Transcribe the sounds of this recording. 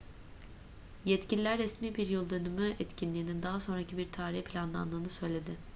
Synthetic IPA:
jɛt̪cilʲilʲæɾːɛsmiːbiɾjɯlˠd̪ø̞nymyɛt̪cʰinlʲiːnind̪aɦaso̞nɾacʰibiɾt̪ʰaːɾihpʰlʲanlˠa̰nlˠɯːnɯsø̞jlʲe̞d̪ɪ

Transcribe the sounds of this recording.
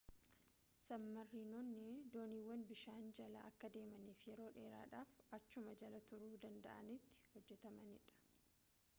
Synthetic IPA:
sɐmːɐrːiːnɔnːɪd̪o̞ːniːwːɐnbɪʃaːnd͡ʒɐlɐɐkːɐd̪e̞ːmɐniːfjɛɾo̞ːᶑe̞ːɾa̰ːᶑaːfɐt͡ʃːʊmɐd͡ʒɐlɐt̪ʊɾuːd̪ɐnd̪ɐ̰ʔɐ̰nɪt̪ːɪ̥hɔd͡ʒːɛt̪ɐmɐnɪᶑɐ̥

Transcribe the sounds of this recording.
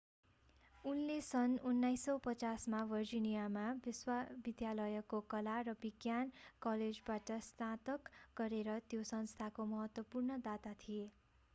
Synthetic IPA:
unlesʌnunːajsːʌwpʌt͡sasmabʌrd͡ʒinijamabiswabid̪jalʌjʌkokʌlarʌbiɡjankʌled͡zbaʈʌst̪ãt̪ʌkɡʌɾeɾʌt̪josʌnst̪ʰakomʌɦʌt̪wʌpurnʌd̪at̪at̪ʰije

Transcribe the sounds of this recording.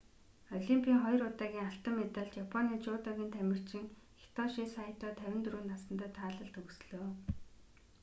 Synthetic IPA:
ɔɮimpʰʲiːŋχɔj̆rʊt̪aːɣʲiːŋaɬt̪ə̆mːet̪ə̆ɮt͡ɕ̪japʰɔniːt͡ɕʊːt̪aɣʲiːnt̪ʰæmʲɪ̆r̥t͡ɕɪ̆ŋ | xe̥t̪ʰɔʃisaj̆ʰt̪ɔːt̪ʰæwʲɪ̆nt̪ruːnːasə̆nt̪œːt̪ʰaːɮə̆ɬt̪ɵksɮoː

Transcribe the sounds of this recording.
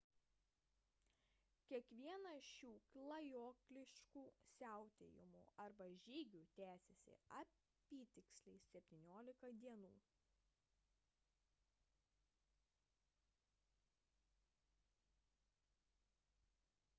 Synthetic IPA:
kʲiɛkʋʲiɛnɐʃʲuːklˠɐjoːklʲɪʃʲkuːsʲæˑʊt̪ʲejɪ̰mṵːʔɐɾbɐʒʲiːɡʲuːt̪ʲæːsʲɛsʲɪ̰ɐ | pʲiːt̪ʲɪksʲlʲɛɪssʲɛpʲt̪ʲiːnʲoːlʲɪkɐd̪ʲiɛnṵː

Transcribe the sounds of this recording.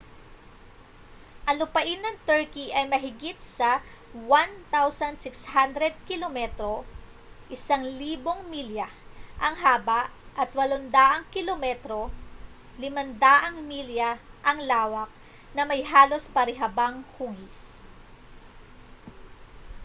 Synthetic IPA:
ʔɐlʊpɐʔɪnːɐŋt̪ɛɹkiʔɐjmɐɦɪɡit̪̚sɐ | want̪awsɐnsɪkshand̪ɾɛd̪̚kɪlomɛt̪ɾo̞ | ʔɪsaŋliːbo̞ŋmiljɐ | ʔɐŋɦaːbɐʔʔɐt̪wɐlond̪aːʔɐŋkɪlomɛt̪ɾo̞ | lɪmɐnd̪aːʔɐŋmiljɐʔɐŋlaːwɐk̚ | nɐmɐjɦaːlo̞spɐɾɪɦɐbaŋhuːɡɪs

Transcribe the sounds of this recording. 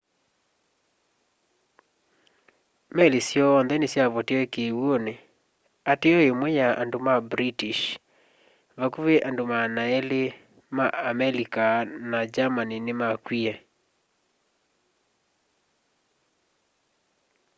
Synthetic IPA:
mɛlesjɔːnðɛnesjaβɔteɔekewone | ateɔemwɛjaʔandomabɾitiʃ | βakuβeʔandomanaɛle | maamɛlikanad͡ʒamaninemakwiɛ

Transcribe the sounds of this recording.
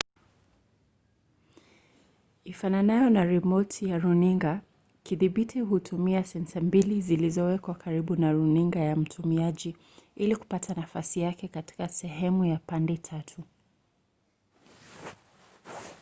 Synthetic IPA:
ifananajɔnaɾɛmɔtijaɾuniŋɡa | kiðiɓitiɦutʰumiasɛnsambilizilizɔwɛkwakaɾiɓunaɾuniŋɡajam̩tʰumiaʄi | iliku̥patʰanafasijakɛkati̥kasɛɦɛmujapandɛtʰatʰu

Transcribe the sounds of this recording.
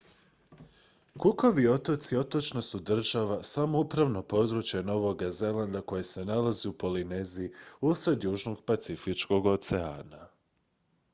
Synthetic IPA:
kuko̞ʋio̞t̪o̞t̪sio̞t̪o̞t͡ʃno̞sud̪r̩ʒaʋasamoupɾaʋno̞po̞d̪ɾut͡ʃjeno̞ʋo̞ɡaze̞land̪ako̞jese̞nalaziupo̞lineziːusɾe̞d̪juːʒno̞ɡpat̪sifit͡ʃko̞ɡo̞t̪seaːna

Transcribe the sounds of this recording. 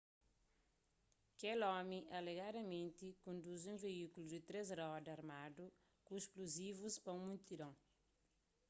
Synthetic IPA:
kɛlɔmiʔɐleɣad̪ɐmẽnt̪ikõnd̪uzũveikulud̪ɪt̪ɾezɾɔd̪ɐɾmad̪u | kuiʃkluzivuspɐũmũnt̪iɾɐ̃w̃

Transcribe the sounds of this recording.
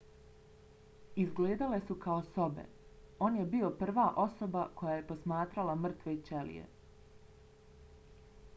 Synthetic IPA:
izɡleːd̪ale̞sukaoso̞bḛ | o̞ːnje̞bio̞pr̩ʋaːʔo̞so̞bako̞jaːjepo̞smaːt̪ɾalamr̩t̪ʋoit͡ʃelḭjḛ

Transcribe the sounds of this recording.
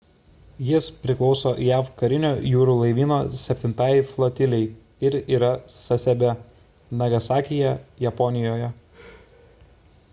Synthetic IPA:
jɪspʲɾʲɪklˠɒʊsoːjæfkɐɾʲɪnʲoːjuːɾuːlˠɐɪʋʲiːnoːsʲɛpʲt̪ʲɪnt̪ɑːjflˠot̪ʲɪlʲɛɪ | ɪɾiːɾɐsɐsʲɛbʲɛ | nɐɡɐsɑːkʲɪjɛjɛpɔnʲɪjoːjɛ

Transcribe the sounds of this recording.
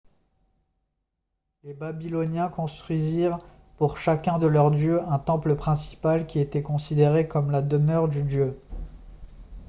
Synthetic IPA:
lebabilɔnjɛ̃kɔ̃st̪χɥiziʁ | puʁʃakʲɛ̃d̪əlœʁd̪jøɛ̃t̪ɑ̃pləpχɛ̃si̥palkʲiet̪ɛkɔ̃sid̪eʁekɔmlad̪əmœʁd̪yd̪jø

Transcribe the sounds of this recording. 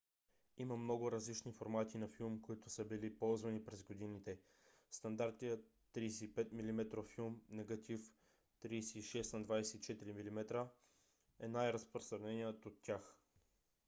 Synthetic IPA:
iməmnɔɡʊɾɐzlit͡ʃnifoɾmat̪inɐfilˠmkoit̪ʊsəbilipɔlˠzvɐnipɾɛzɡod̪init̪ɛ | st̪ɐnd̪aɾt̪ijə | t̪ːɾiːsɛipɛt̪milimɛt̪ɾofilˠmnɛɡɐt̪ʰif | t̪ɾiːsɛːʃɛsnɐd̪vajsɛit͡ʃɛt̪iɾimilʲimɛt̪ɾə | ɛnajɾəspɾost̪ɾɐnɛnʲiət̪ot̪ːʲjax

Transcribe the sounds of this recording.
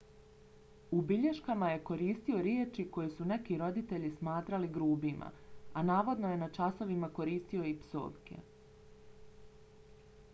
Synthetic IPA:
ubiʎeʃkamaje̞ko̞ɾiːst̪io̞ɾjeːt͡ʃiko̞jesune̞kiɾo̞d̪it̪e̞ʎismaːt̪ɾaliɡɾuːbima̰anaːʋo̞d̪no̞je̞nat͡ʃasoʋimako̞ɾiːst̪io̞ipso̰ːʋkḛ

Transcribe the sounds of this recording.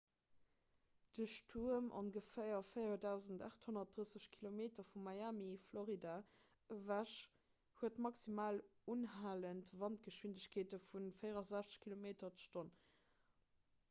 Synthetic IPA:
d̥əʃtʰuəmʔo̰ŋɡəfejɐfejɐdæʊzənta̰ːχthonɐt̚d̥ʁəsəɕkʰilomeːtɐfumːɑjamifloʁida | əvæʃ | huətmɑksimaːlunɦaːləntvɑnt̚ɡ̥əʃwindəɕkʰeːtəfunfəɪʁɐzæɕt͡sə̥ɕkʰilomeːtɐt͡sə̥ʃton

